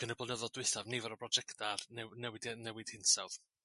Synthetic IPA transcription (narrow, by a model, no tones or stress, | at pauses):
ɡ̥ənəblˠənəðɔdwɪθavnivɔɾɔbrɔd͡ʒɛktʰarnɛnɛwɪdɛnɛwɪd̥hɪnsawð